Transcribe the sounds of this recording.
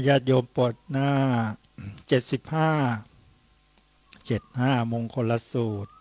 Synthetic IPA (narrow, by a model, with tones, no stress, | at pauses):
jaː˥˩t̪̚joː˧mpo˨˩t̪̚naː˥˩ | t͡ɕe˨˩t̪̚si˨˩p̚haː˥˩ | t͡ɕe˨˩t̪̚haː˥˩mo˧ŋkʰo˧nla˧˥suː˨˩t̪̚